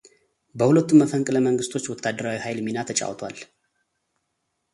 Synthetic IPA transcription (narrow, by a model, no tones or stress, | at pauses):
bəhulət̪ːumːəfəŋkʼləməŋɡɨst̪ʰo̞t͡ʃːwɔt̪ʰːad̪ːəɾawihajlminat̪ʰət͡ʃʼa̰wt̪ʰwa̰l